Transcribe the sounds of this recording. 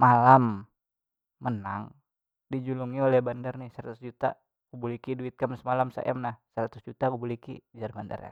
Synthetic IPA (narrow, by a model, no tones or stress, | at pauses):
malam | mənaŋ | did͡ʒuluŋiolɛhbandarnɪhsəɾat̪ʊsd͡ʒut̪a̰ | kubulikiduɪt̪̚kamsəmalamsa̰ʔɛ̰mnahsəɾat̪ʊsd͡ʒut̪akubulikḭd͡ʒarbanda̰rja̰